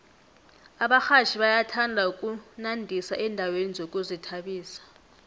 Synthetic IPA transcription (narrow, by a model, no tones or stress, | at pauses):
aɓaxaʃʰiɓajatʰandʱaukʼunandʱisaʔɛndʱawenizokʼuzitʰaɓiːsḁ